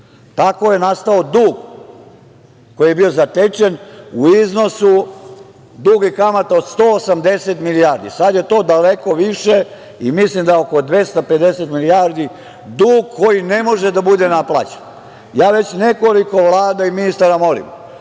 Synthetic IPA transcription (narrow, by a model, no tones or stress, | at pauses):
t̪ako̞je̞nast̪ao̞d̪uːɡ | ko̞jijebiozat̪et͡ʃe̞nuizno̞su | d̪uːɡikamat̪aod̪st̪oːosamd̪eset̪milijaːɾd̪ḭsad̪je̞t̪o̞ːd̪aleko̞ʋiʃe | imislimd̪aoko̞d̪ʋe̞st̪ape̞d̪e̞set̪milijaːɾd̪i | d̪uːɡkʰo̞jinemo̞ʒed̪abud̪enaplˠa̰t͡ɕe̥n | jaːʋe̞t͡ɕne̞ko̞liko̞ʋlˠaːd̪aiminist̪aɾamo̞lḭm